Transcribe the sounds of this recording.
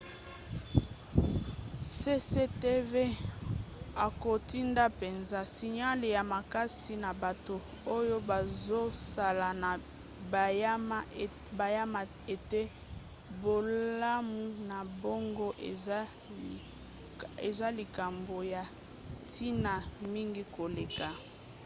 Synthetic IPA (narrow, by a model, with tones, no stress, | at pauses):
se˦se˦te˦ve˦ | a˨ko˨ti˦nda˦pe˨nza˦si˨ɲa˦le˨ja˨ma˨ka˦si˨na˨ba˨to˨ | o˦jo˦ba˨zo˦sa˨la˨na˨ | ba˨ja˦ma˦˨ | ba˨ja˦ma˨ | e˨te˦ | bo˨la˦mu˦na˨bo˦ŋɡo˦ʔ | e˨za˦li˨ka˨mbo˨ja˨ | tʰi˦na˨mi˦ŋɡi˦ko˨le˨ka˨